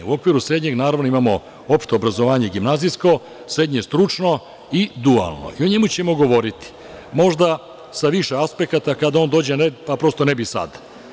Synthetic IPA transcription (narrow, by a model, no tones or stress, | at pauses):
uo̞kʋiːɾusɾe̞d̪ɲe̞ɡnaːɾaʋno̞imamo̞ | o̞pʃt̪o̞ːbɾazo̞ʋaːɲe̞ɡimnaːzijsko̞ | sɾe̞d̪ɲest̪ɾut͡ʃno̞ | id̪ua̰lˠno̰ʔio̞ɲe̞mut͡ɕe̞mo̞ɡo̞ʋo̞ɾit̪i̥ | mo̞ʒd̪a | saʋiʃeaspe̞kat̪akad̪ao̞nd̪o̞ːd͡ʑenepapɾo̞st̪o̞nebisa̰d̪